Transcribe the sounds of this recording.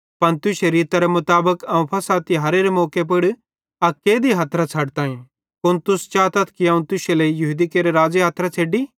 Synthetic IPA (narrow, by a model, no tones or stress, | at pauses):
pɐnt̪ʊʃeɾiːt̪aɾemʊt̪aːbəkɐũpʰɐsaːt̪iɦɐɾeːɾemɔːkep̬ɪɽ | ɐkːeːd̪iɦɐt̪ʰɾat͡sʰɐɽt̪ãːĩ | pʊnt̪ʊst͡ʃaːt̪ət̪kiɐ̃ũt̪ʊʃeleijʊɦʊd̪ikeːɾeɾaːd͡zeɦaːt̪ʰɾat͡sʰeːɖiː